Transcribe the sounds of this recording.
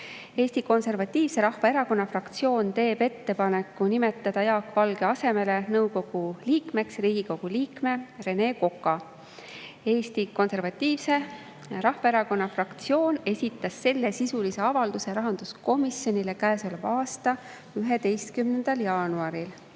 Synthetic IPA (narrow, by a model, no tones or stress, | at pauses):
e̞ːsʲt̪iko̞nse̞rvɑt̪ˑːiːvse̞ɾɑhfɑe̞ɾɑko̞nːɑfrɑkt̪sijo̞ːnt̪e̞ːbe̞t̪ːe̞pɑne̞kːˑunime̞t̪ˑːɑd̪̥ɑjɑːkːˑvɑlɡ̥eɑse̞me̞le̞nɤwko̞ɡ̥uliːkme̞ksriːɡ̥iko̞ɡ̥uliːkme̞re̞ne̞ːko̞kːˑɑ | e̞ːst̪iko̞nse̞rvɑt̪ːˑiːvse̞ | ɾɑhvɑeɾɑko̞nːɑfrɑkt̪sio̞ːne̞sʲit̪ˑːɑsːe̞lːe̞sisulise̞ɑvɑld̪use̞ɾɑɦɑnd̪̥usko̞misjo̞nʲile̞kæːsolebɑːst̪ɑ | yɦe̞d̪̥e̞jst̪̚kymne̞nd̪̥ɑljɑːnuɑɾil